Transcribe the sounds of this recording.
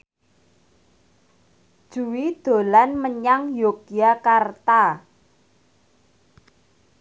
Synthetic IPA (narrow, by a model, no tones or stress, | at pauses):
d̥ʒ̥uwid̪̥o̤lanməɲaŋjokiakart̪a